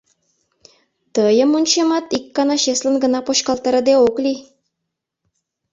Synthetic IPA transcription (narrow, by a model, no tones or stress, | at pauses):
t̪ɤjə̆munɕemɑt̪ikːɑnɑɕesʲlʲə̆nɡə̆nɑpoɕkɑlˠt̪əɾə̆d̪eoklʲi